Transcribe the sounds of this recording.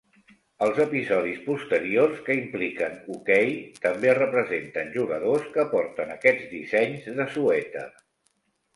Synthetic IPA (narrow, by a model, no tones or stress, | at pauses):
əlˠzəpizɔð̞ispust̪əɾiorskəimplikənukɛjt̪əmberəpɾəzent̪ənʒuɣəð̞oskəpɔɾt̪ənəkɛd͡zd̪isɛɲzðəsuɛt̪ə̰